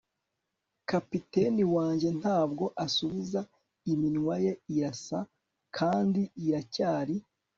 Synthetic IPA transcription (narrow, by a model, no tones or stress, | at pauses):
kapite̞niwaːɲɟe̞n̥haːb̚ɡo̞ʔasuβiza | iminŋwaje̞iɾasa | kʰaːndiiɾacaːɾi